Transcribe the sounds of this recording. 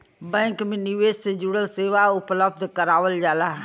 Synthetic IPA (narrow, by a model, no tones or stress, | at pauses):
bɛ̃ːŋkmẽnɪʋeːssed͡ʒʊɽəlseːʋaʊpləb̚d̪ʱkəɾaːʋəld͡ʒaːlaɦ